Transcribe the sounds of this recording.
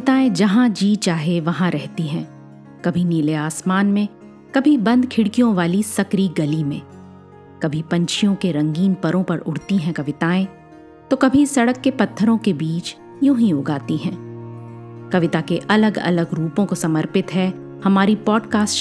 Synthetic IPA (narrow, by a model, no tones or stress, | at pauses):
kɐɪt̪aːẽd͡ʒɐɦãd͡ʒiːt͡ʃaːɦeʋɐɦãɾɛɦt̪iɦɛ̃ː | kɐbʱiniːleaːsmaːnmẽ | kɐbʱibɐ̃nd̪kʰɪɽkijõʋaːlisɐkɾiɡɐlimẽː | kɐbʱipɐ̃ɲt͡ʃʰijõkeɾɐ̃ŋɡiːnpɐɾõpɐɾʊɽ̤t̪iɦɛ̃kɐʋɪt̪aːẽ | t̪okɐbʱisɐɽəkːepɐt̪ʰːəɾõkebiːt͡ʃ | jũɦĩʊɡaːt̪iɦɛ̃ː | kɐʋɪt̪akeʔɐləɡɐ̰ləɡɾuːpõkosɐməɾpɪt̪ɦɛ | hɐmaːɾipɔːɖkaːs